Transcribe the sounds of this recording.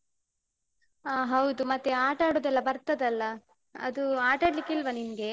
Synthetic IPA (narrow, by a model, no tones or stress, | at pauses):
aːɦɐwd̪umɐt̪ːeaːʈaːɽoːd̪ɛlːɐbɐɾt̪ɐd̪ɐlːɐ | ɐ̰d̪uaːʈaːɖlikːilʋɐninɡe̞